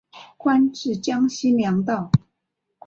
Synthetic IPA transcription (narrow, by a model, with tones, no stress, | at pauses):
kʰwa˥nʈ͡ʂɻ̩˥˩t͡ɕjɑ˥ŋɕi˥nljɑ˧˥ŋt̪ɑ˥˩ʊ